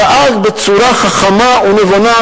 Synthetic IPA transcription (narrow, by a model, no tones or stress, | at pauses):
ʔazbet͡suɾaχaχamaunevana